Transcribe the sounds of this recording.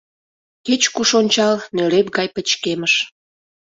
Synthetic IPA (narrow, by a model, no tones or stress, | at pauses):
ket͡ɕkuʃonʲt͡ɕɑlnølep̚ɡɑjpə̆t͡ɕkeməʃ